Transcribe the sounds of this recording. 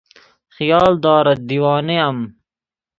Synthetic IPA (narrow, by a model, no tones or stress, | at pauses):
xijɑːld̪ɑːɾɐd̪iwɑːneɐm